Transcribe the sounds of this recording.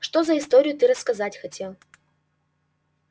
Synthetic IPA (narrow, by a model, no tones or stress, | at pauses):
ʂt̪ozəɪst̪o̞ɾʲɪjʊt̪ɨɾəskɐzatʲxɐtʲe̞lˠ